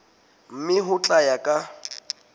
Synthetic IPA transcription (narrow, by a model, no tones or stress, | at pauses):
m̩mɪɦʊt͡ɬʼajakʼa